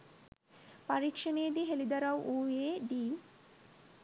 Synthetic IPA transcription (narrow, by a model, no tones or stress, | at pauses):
paɾikʃɐneːd̪iɦelid̪ɐɾawʔuːeːɖiː